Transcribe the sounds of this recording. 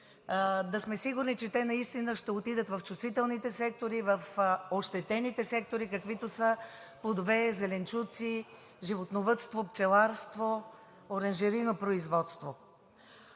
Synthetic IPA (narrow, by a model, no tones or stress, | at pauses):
d̪ɐsmɛsiɡʊɾnit͡ʃɛt̪ɛnɐist̪inəʃt̪ɛot̪id̪ət̪vɐft͡ʃust̪vit̪ɛlˠnit̪ɛsɛk̚t̪oɾivəfoʃt̪ɛt̪ɛnit̪ɛsɛk̚t̪oɾikɐkvit̪osəplˠod̪ovɛzɛlɛnt͡ʃut̪si | ʒivot̪novət̪st̪vopt͡ʃ̪ɛlˠaɾst̪vo | oɾənʒɛɾinopɾoizvɔt̪st̪vo